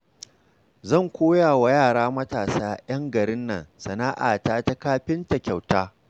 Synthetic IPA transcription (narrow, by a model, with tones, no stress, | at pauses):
zɐ˦˨ŋkʷoː˦jaː˨wa˨jaː˦˨ɽaː˦mɐ˦taː˨saː˦j̰ɐ˦ŋɡɐ˨ɽɪ˦nːɐ̰˨nsɐ˨naː˦ʔa̰ː˨taː˦ta˦kaː˦ɸɪ˦ntɐ˨kʲa˨wtaː˦